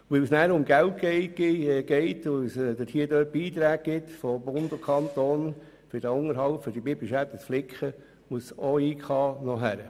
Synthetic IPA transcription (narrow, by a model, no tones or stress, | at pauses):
ʋɪlsnæːɾʊmɡælt̚ɡɛɪ̥ɡ̥ɛɪtʊsd̥̪əthiːədøːt̚b̥iːt̪ɾæːk̚ɡɪt̪fɔbʊndokʰɑnt̪oːn | fɪɾd̥æʊŋəɾɦɑlpfɔɾdibibliʃæt̪ːət͡sflɪkχə | muəsoːiːkχɑːnɔɦæɾə